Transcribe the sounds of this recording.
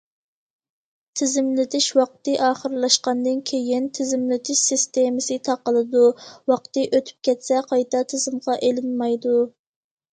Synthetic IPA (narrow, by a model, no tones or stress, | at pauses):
t̪ʰɪzɪmlɪt̪ʰɪʃwɑq̚t̪ɨʔɑːχəɾlˠɑʃqɑnd̪ɨnkʲʰejint̪ʰɪzɪmlɪt̪ʰɪʃsɪst̪emɪsɨt̪ʰɑqəlˠɨd̪uwɑqt̪ɨʔøt̪ʰy̥p̚kʲʰɛt̪sɛqʰɑjt̪ɑt̪ʰɪzɪmʁɑʔelɪnmɑjd̪u